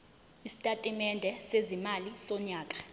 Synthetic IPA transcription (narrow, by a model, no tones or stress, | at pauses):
isi̥tʼatʼimɛndʱɛsezimalisɔɲaːkʼḁ